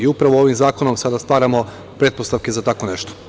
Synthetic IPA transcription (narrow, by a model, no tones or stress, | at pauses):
iupɾaʋoo̞ʋimzaːko̞no̞msad̪ast̪ʋaːɾamo̞ | pɾe̞t̪̚po̞st̪aʋke̞zat̪ako̞neʃt̪o̥